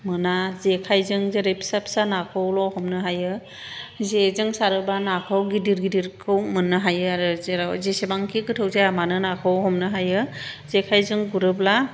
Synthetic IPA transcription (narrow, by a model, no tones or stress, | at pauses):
mɯnazekʰajzɯŋzeɾepʰsap̚sanakʰɯwlɔhɔmnɯɦajɯ | zezɯŋsaɾɯbanakʰɯwɡidiɾɡidiɾkʰɯwmɯnːɯɦajɯaɾɯzeɾzesebaŋkʰiɡɯtʰɯwzajamanɯnakʰɯwhɔmnɯɦajɯzekʰajzɯŋɡuɾɯbla